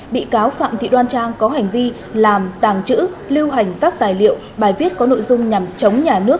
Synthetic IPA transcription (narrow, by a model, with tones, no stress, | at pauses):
ɓḭ˧˨kaː˨˦wfa̰ː˧˨mt̪ʰḭ˧˨ɗwaː˧nt͡ɕaː˧ŋkɔ˨˦ɦa˨˩jŋ̟vi˧ | laː˨˩mt̪aː˨˩ŋt͡ɕɨ̰˧˥li˧wɦa˨˩jŋ̟kaː˦˥k̚t̪aː˨˩jlḭ˧˨əwɓaː˨˩jvi˦˥ət̚kɔ˨˦no̰˧˨jzʊ˧ŋ͡mɲa˨˩mt͡ɕə˨˦wŋ͡mɲaː˨˩nɨ˦˥ək̚